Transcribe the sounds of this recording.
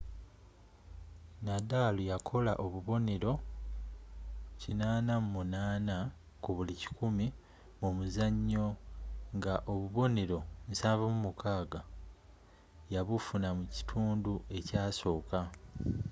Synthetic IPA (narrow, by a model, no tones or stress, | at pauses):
nadalojakʰo̞la̰ʔo̞βuβo̞ne̞ɾo̞ | cinaːnammunaːna | kuβulici̥kumi | mumuzaɲːo̞ŋɡaʔo̞βuβo̞ne̞ɾo̞nsaːvamumukʰaːɡa | jaβufunamuci̥tʰuːndue̞caːso̞ːka